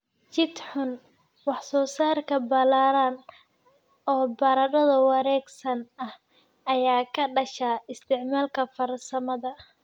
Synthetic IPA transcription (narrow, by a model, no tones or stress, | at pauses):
t͡ʃɪd̪ħʊn | wɑħsɔːsaːrkʰɐbɐlaːɾaːn | ɔːbɐɾɐɾɐðɐwɑɾɛːɡsɐnɐh | ɐjaːkʰɐɖɐʃaːɪst̪ʰɪʕmaːlkʰɐfɐrsɐmɐðɐ